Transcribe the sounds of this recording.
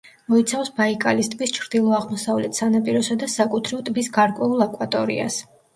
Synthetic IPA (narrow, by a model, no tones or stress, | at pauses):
mɔit̪sʰafsbaikʼalist̪ʼbist͡ʃʰɾd̪̥ilˠɔaʁmɔsavlɛt̪ʰsanapʼiɾɔsad̪asakʼut̪ʰɾivt̪ʼbisɡaɾkʼwɛulˠakʼwat̪ʼɔɾḭa̰s